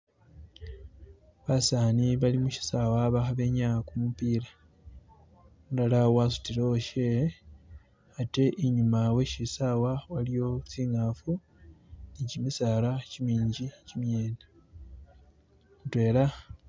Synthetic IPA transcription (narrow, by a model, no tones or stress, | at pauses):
βasaːniβalimuʃi̥sawaβaxaβe̞ɲakumupiːɾa | dalawas̬u̥tiɾo̞ʃe | ate̞ʔiɲumawe̞ʃisawawalijo̞t͡siːŋaːfu | nicimisaːlacimiːɲɟicimjeːne | twe̞ːla